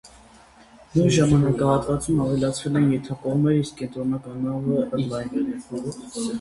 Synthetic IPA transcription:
nuɾʒɑmɑnɑkɑhɑt̪vɑt͡sumɑvɛlɑt͡sʰvɛlɛnjɛt̪ʰɑkɔʁmɛɾiskɛnt̪ɾɔnɑkɑnɑvəəlɑjn

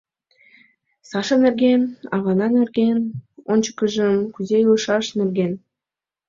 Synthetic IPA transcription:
sɑʃɤ̆nĕrɡʲenɑβɑnɑnĕrɡʲenonʲt͡ɕə̥kə̆ʒə̆mkyzejulɤʃɑʃnĕrɡʲen

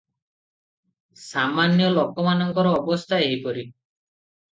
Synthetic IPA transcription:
samanjɔlɔkɔmanɔŋkɔɾɔːbɔst̪ʰaeɦipɔɾi

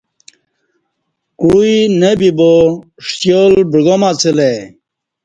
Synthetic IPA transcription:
kuinebibo | ʂt̪jolbiɡomat͡sile

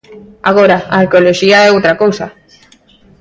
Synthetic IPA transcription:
aɣ̞oɾaaːɾkeoloʃiaɛowt̪ɾakowsa

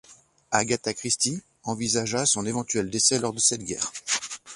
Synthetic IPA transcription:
aɡat̪akχist̪i | ɑ̃vizaʒasɔ̃nevɑ̃t̪yɛld̪esɛlɔʁd̪əsɛt̪ɡʲɛ̰ːʁ

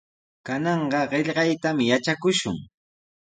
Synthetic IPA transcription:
kanɑɴɢɑɢeʎɢɑjt̪amjat͡ʃakʊʃʊ̰ŋ

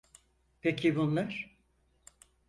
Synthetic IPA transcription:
pʰecʰibunlˠaɾ̥

